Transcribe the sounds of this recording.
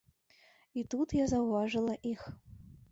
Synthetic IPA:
it̪ut̪jazɐwvɑʐɨlˠɐʔix

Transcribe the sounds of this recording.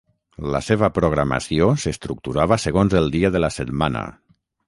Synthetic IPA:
lə̰seβ̞əpɾoɣ̞ɾama̰siosəst̪ɾuk̚t̪uɾaβ̞əsəɣonzəlˠd̪iəðələsət̪manə̰

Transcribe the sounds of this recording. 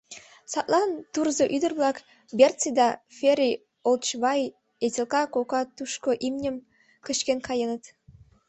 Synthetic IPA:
sɑt̪lˠɑnt̪urzɤʔyd̪ə̆rβlˠɑk | bert͡sid̪ɑfeɾʲi | olt͡ɕβɑj | etʲelkɑkokɑt̪uʃkoʔimnʲəm | kə̆ʃkenkɑjənət̪

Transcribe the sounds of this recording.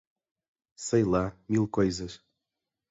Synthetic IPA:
səjlˠamilˠkojzəʃ

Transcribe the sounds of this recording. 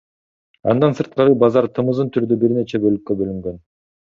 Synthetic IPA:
ɑ̰nd̪ɑnsɯɾt̪̚qɑɾɯbɑzɑɾt̪ʰɯmɯzɯnt̪ʰyɾd̪ybiɾne̞t͡ʃe̞bø̞lykːø̞bø̞lyŋɡø̞n

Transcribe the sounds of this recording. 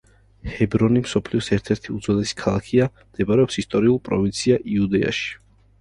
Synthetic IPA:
hɛbɾɔnimsɔpʰliɔsɛɾt̪ʰɛɾt̪ʰiud̪zɔd̪ɛsi̥kʰalˠakʰiamd̪̥ɛbaɾɛɔpsist̪ʼɔɾiulˠpʼɾɔ̰vint̪sʰiaʔiud̪ɛa̰ʃi̥

